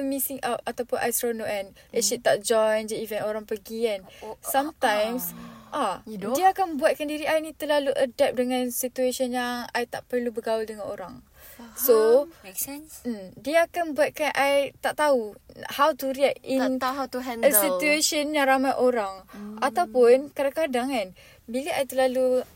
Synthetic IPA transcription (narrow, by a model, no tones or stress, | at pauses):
əmisiŋaat̪awpʊnʔajsɾonoʔɛn | itʃit̪aʔd͡ʒɔjnd͡ʒaivɛ̃noɾaŋpəɡiɛnsamt̪ãjmsʔaddiaːkanmbuat̪̚kandiɾiajnĩt̪əlaluʔədɛp̚dəŋãnsit̪ueʃənjaŋajt̪aʔpərlubəɡawəldəŋãnoɾaŋ | so | ɛnm̩diaːkanbuat̪̚kanʔajt̪aʔt̪auhawt̪uɾiɛkinhat̪uɦɛnəsit̪ueʃənjãŋɾamajʔoɾaŋat̪awpʊnkadãkadaŋan | bilaʔajt̪əlalu